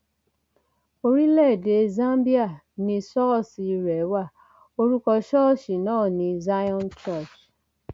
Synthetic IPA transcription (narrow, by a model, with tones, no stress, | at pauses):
o˧ɾi˦lɛ˦˨de˧zã˦mbi˦a˦˨ | nĩ˧sɔ˦˨si˧ɾɛ˨˦wa˦˨ | o˧ɾu˦kɔ˧ʃɔ˦˨ʃi˨nɔ̃ː˦˨nĩ˧za˦jɔ̃˦˨nt͡ʃɔ˦˨t͡ʃ